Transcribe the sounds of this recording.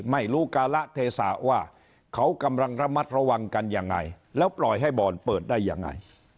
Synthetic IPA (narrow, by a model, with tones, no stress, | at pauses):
ma˥˩jɾuː˦˥˩kaː˧la˦˥ʔt̪ʰeː˧sa̰ː˩˦waː˥˩ | kʰa˦˥wka˧mla˧ŋɾa˦˥ma˦˥t̪̚ɾa˧wa˧ŋka˧nja˧ŋːa̰˧j | lɛː˦˥wplɔ˨˩jɦa˥˩jbɔː˨˩npɤː˨˩t̪̚daː˥˩jːa̰ː˧ŋːa̰˧j